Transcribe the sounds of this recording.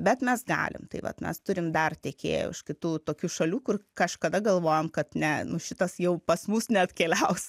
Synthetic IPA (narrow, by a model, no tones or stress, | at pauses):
bʲɛt̪mʲɛsɡɑ̰ːlʲɪ̰mt̪ɐɪʋɐ̰t̪mʲɛ̰st̪ʊɾʲɪmd̪ɐrt̪ʲɛkʲḛːjɛ̰ɪ̰ʃkʲɪt̪uːt̪oːkʲuːʃɐlʲuːkʊrkɐʃkɐd̪ɐɡɐlˠʋoːjɛmkɐt̪nʲɛnʊʃʲɪt̪ɐsjɛʊpɐsmʊsnʲɛɐt̪kʲeːlʲɛʊs